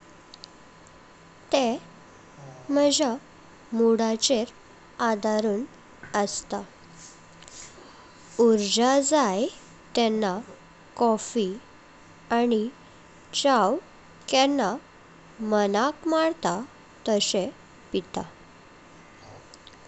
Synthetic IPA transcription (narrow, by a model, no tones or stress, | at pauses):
t̪e | məd͡ʑa | muɽat͡ɕeɾ | ad̪aɾuːn | əst̪a | uɾd͡ʑad͡zaj | t̪ɛnːa | kɔfi | ani | t͡ɕaw | kɛnːa | mənakmaɽt̪a | t̪əsẽ | pit̪a